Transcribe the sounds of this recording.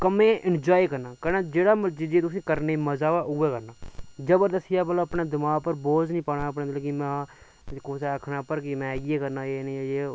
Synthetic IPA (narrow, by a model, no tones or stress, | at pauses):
kəmẽːʔɪnd͡ʒaːikəɾnaːkənaːd͡ʒeːɽaːməd͡ʒid͡ʒeːt̪ʊsĩːkəɾneməzaːaʊeːkəɾnaːd͡ʒəbəɾd̪əsɪjaːbəloəpneːd̪ɪmaːɡpəɾboːznĩːpaːɽ̃aːəpneːd̪lːkimɛ̃ː | koːseəkʰnaːpəɾkɪmɛ̃ːɪeːkəɾnaːeːnĩeː